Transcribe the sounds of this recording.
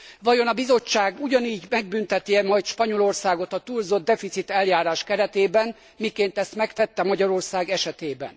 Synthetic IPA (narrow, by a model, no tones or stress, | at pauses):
ʋɒjo̞nɒbizo̞t͡ʃːaːɡuɟɒniːɟmɛɡ̚bynt̪ɛt̪iɛmɒjt̪ʃpɒɲo̞lo̞rsaːɡot̪ɒt̪uːlzo̞d̪ːɛfit̪sit̪ɛljaːɾaːʃkɛɾɛt̪eːbɛn | mikeːnt̪ɛst̪mɛkt̪ɛt̪ːɛmɒɟɒɾo̞rsaːɡɛʃɛt̪eːbɛ̰n